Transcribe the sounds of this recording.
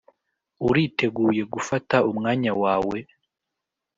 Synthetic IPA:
uɾite̞ɡuːje̞ɡufataumŋaːɲawaːwe̞

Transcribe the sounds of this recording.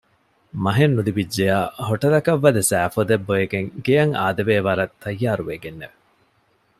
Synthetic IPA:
mɐɦenːud̪ibid͡ʒːejaːɦoʈɐd̪ɐkɐʋːɐd̪ɐsæːfod̪ebːojeɡeŋɡejɐŋaːd̪ɐʋeːʋɐɾɐt̪ʰːɐjːaːɾuʋeɡenːeʋe

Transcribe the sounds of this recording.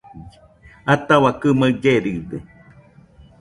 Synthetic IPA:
at̪awakɨməd͡ʒeɾiðe

